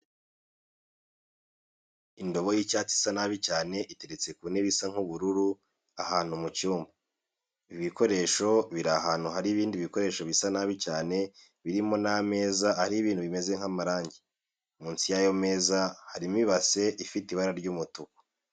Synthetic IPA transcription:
indo̞βo̞jicaːt͡si̥sanaβicaːne̞ʔite̞ɾet͡se̞kuneβisaŋ̥huβuɾuɾu | ahaːn̥humucuːmba | iβiko̞ɾe̞ːʃo̞βiɾaɦaːn̥huɦaɾiːβiːndiβiko̞ɾe̞ːʃo̞βisanaβicaːne̞ | βiɾimo̞name̞ːzahaɾiːβiːn̥huβime̞ze̞ŋ̥amaɾaːɲɟi | muːnsijajo̞me̞ːzahaɾimiβase̞ʔifitiβaɾaɾɟuːmutuko̥

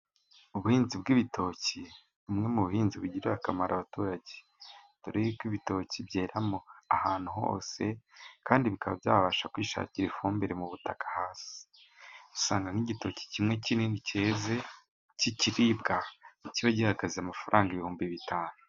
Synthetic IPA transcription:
uβuhiːnzibɡiβitʰo̞ci | umŋe̞muβuhiːnziβuɟiɾeβakamaɾaβatuːɾaɟe | tuɾiikwiβito̞cibɟeːɾamo̞ahaːn̥uɦo̰ːse̞kaːndiβikaβabjaːβaʃakwiːʃa̰ːciɾefuːmbeɾemuβutakḁhaːsi̥ | u̥saːŋɡaniɟito̞ci̥cimŋe̞cininiceze | ciciɾib̚ɡaiciβaɟihaɡaziamafaɾʔaːŋɡaiβihuːmbiβitʰaːnu

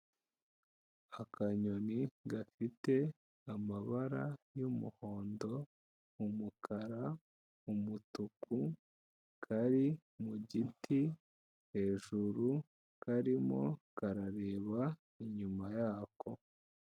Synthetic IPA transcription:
akʰaɲo̞niɡafite̞ | amaβaɾajumṵho̞ːndo̞ | umukʰaɾa | umutukʰu | kʰaɾi | muɟiti | he̞ːʒuɾu | kʰaɾimo̞̰kaɾaɾe̞ːβa | iɲumajaːkʰo̞

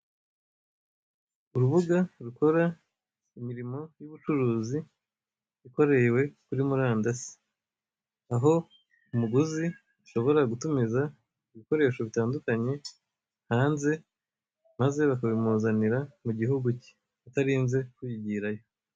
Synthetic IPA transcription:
uɾuβuɡaɾuko̞ɾa | imiɾimo̞juβut͡ʃuɾuːzi | ɾiko̞ɾe̞we̞kuɾimuɾaːndasi̥ | aɦo̞ | umuɡuzi | uʃo̞βo̞ɾaɡutumiza | iβiko̞ɾe̞ːʃo̞βitaːndukaɲe̞ | haːnze̞ | maze̞βakaβimuːzaniɾamuɟiɦuɡuci̥ | ataɾiːnze̞kujiɟiːɾajo̞

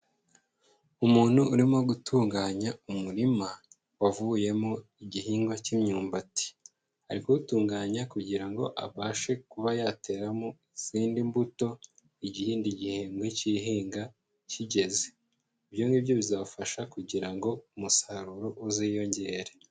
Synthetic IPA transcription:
umuːn̥huːɾimo̞ɡutʰuːŋɡaːɲaumuɾima | wavuje̞moiɟiɦiːŋɡwacimɲuːmbati̥ | aɾikoutuːŋɡaːɲakuɟiɾaŋɡo̞ʔa̰βaːʃe̞kuβajaːte̞ːɾamoiz̥iːndimbuto̞ | iɟihiːndiɟiheːŋɡweciɦiːŋɡa | ciɟe̞ze | ibjo̞ŋibjo̞βizafaʃakuɟiɾaŋɡo̞umusaɾuɾoʔuzijo̞ɲɟe̞ːɾe̞

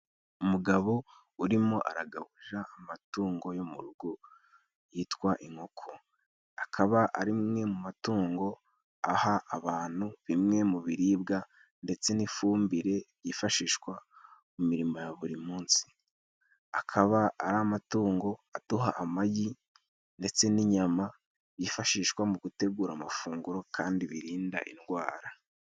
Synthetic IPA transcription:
umuɡaβo̞ | uɾimo̞ʔa̰ɾaɡaβuʒaːmatuːŋɡo̞jomuɾuɡu | jiːtkwaʔiŋhokʰo | akʰaβaʔaɾimmŋe̞mumatuːŋɡo̞ | ahaʔːβaːn̥huβimŋe̞muβiɾiːbɡa | nde̞t͡se̞nifuːmbiɾe̞βjifaʃiːʃkwamumiɾimo̞jaβuɾimuːnsi̥ | akʰaβaaɾaːmatuːŋɡo̞atuɦaʔːmaɟi | nde̞t͡se̞niɲama | jifaʃiːʃkwamuɡute̞ɡuːɾamafuːŋɡuɾo̞kʰaːndiβiɾiːnda̰ʔḭnɡwaːɾa

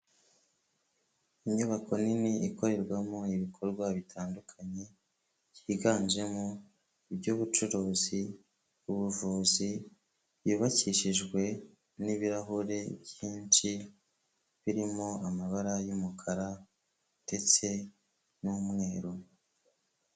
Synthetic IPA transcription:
iɲuβakʰo̞niniiko̞ɾe̞ɾɡwamoiβikʰo̞ɾɡwaβitʰaːndukʰaɲe̞ | ciːɡaːnd͡ʒe̞mo | iβɟuːβut͡ʃuɾoːzi | uβuvuːzi | jiːβaciʃiʒɡwe̞ | niβiɾaɦuɾe̞bjiːnt͡ʃi | βiɾimoamaβaɾajumukʰaɾa | de̞t͡se̞ | nuːmŋe̞ːɾo

